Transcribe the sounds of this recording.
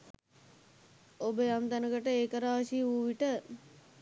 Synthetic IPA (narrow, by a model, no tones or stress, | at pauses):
obəjamd̪anəɡəʈəeːkəɾaːʃiuːʋiʈə